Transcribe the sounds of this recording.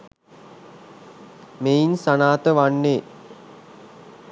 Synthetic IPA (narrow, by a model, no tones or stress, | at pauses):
meinsanaːt̪əʋanːeː